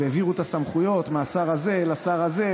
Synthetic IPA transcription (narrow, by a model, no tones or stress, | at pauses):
eeviʁut̪asamχujo̞t̪measaʁaze̞lasaʁaze̞